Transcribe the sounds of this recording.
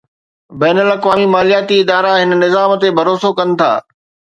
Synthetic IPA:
bɛːnəlɐkʋaːmimaːlijaːt̪iɪd̪aːɾaɦɪn̆nɪzaːmt̪ebʱɐɾoːsokɐnɪ̆t̪ʰa̰ː

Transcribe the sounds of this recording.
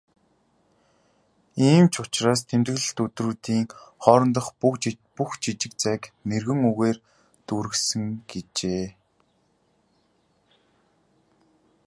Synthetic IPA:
iːmt͡ɕʰʊt͡ɕraːst̪ʰent̪ɣɘ̆ɮ̆ɬt̪ɵt̪ruːt̪iːŋχɔːɾɞ̆nt̪ə̆χpuxt͡ɕit͡ɕɪ̆k̚t͡sæknerɣɘ̆ŋuɣeːr | t̪uɾɘ̆ksɘ̆ŋɡet͡ɕeː

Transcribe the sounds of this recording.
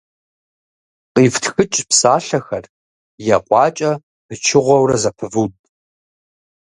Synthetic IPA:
qʼiːftʰxɨt͡ʃʼpsaːɬɐxɐr | jɛqʷʼɑːt͡ʃʼɐ | pʰɨt͡ʃʰɪʁʷɔwrɐzɐpʰɨvutʼ

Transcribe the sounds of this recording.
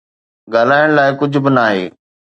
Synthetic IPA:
ɡaːlaːɪəɽ̃laːɪkʊd͡ʑʱʊ̆bɪnaːɦḛː

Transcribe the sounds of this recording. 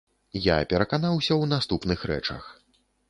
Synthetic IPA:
ja̰pʲɛɾɐkanawsʲɐwnast̪upnɨxɾɛ̰t͡ʂɐ̰x

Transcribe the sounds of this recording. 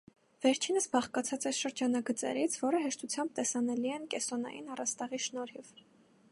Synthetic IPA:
v̥ɛɾt͡ʃʰinəsbɑχkɑt͡sʰɑt͡sɛɾʃəɾd͡ʒɑnɑɡət͡sɛ̰ɾit͡sʰvɔɾəɦɛʃt̪ut͡sʰjɑmb̚t̪ɛsɑnɛliɛnkɛsɔnɑ̰jinɑrɑst̪ɑʁiʃnɔɾhiv

